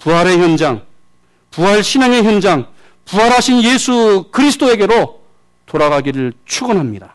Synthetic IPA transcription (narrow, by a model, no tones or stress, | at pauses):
puɦaɾe̞çjʌnd͡ʑaŋ | puɦaɭɕʰinaŋe̞çjʌnd͡ʑaŋ | puɦaɾɦaɕʰinjesʰukɯɾisʰɯ̥t͈oe̞ɡe̞ɾo | toɾaɡaɡiɾɯɭt͡ɕʰuɡɯnɦamɲida